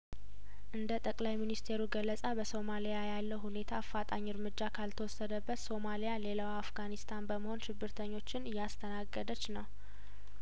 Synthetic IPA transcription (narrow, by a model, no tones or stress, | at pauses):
ʔɨnd̪ət̪ʼəkʼlajminist̪ʰe̞ɾuɡəlːəsʼabəso̞malijajalːəwhune̞t̪ʰafːat̪ʼaɲːɨɾmɨd͡ʒːakʰalt̪ʰəwɔsːəd̪əbːət̪so̞malijale̞lawafɡanist̪ʰanbəməho̞nʃɪbːɨɾt̪ʰəɲːo̞t͡ʃːɪnɨjːast̪ʰənaɡːəd̪ət͡ʃːnəw